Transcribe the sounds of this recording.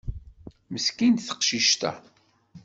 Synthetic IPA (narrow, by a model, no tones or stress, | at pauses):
məskint̪θə̥qʃiʃt̪æ̰